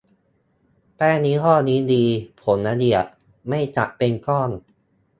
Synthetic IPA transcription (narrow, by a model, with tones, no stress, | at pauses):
pɛː˥˩niː˦˥kʰɔː˥˩niː˦˥diː˧pʰo˩˦nʔa˧di˨˩ət̚ | ma˥˩jt͡ɕa˨˩ʔpe˧nkɔː˥˩n